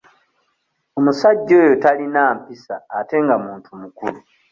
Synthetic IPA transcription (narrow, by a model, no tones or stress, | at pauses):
o̞musaɟːo̞ːjotalinaːmpisaːte̞ŋɡamuːntʰumukulu